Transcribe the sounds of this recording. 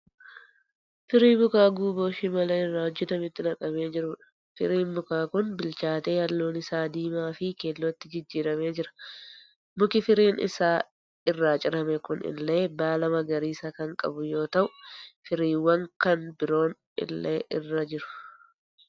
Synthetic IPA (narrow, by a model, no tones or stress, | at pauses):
fɪɾiːmʊkaːɡuːboːʃɪmɐlɐɪrːaːwɔd͡ʒːɛt̪ɐmɪt̪ːɪnɐkʼɐbe̞ːd͡ʒɪɾʊːᶑɐ̥ | fɪ̰ɾiːnmʊkaːkʊnbɪlt͡ʃaːt̪eːhɐlːoːnɪsaːd̪iːmaːfɪkeːlːɔt̪ːɪd͡ʒɪd͡ʒːiːɾɐme̞ːd͡ʒɪɾɐ̥ | mʊkɪfɪɾiːnʔɪ̰saː | ɪrːaːt͡ʃʼɪɾɐmɛkʊnɪ̰lːe̞ːbaːlɐmɐɡɐɾiːsɐkɐŋkʼɐ̰bʊjo̞ːt̪ɐʔʊfɪɾiːwɐŋkɐnbɪɾo̞ːn | ɪ̰lːḛːʔɪrːɐd͡ʒɪɾʊ̥